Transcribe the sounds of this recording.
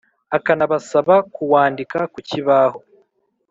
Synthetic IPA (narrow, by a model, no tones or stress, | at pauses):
akanaβasaβakuwaːndikakuciβaːho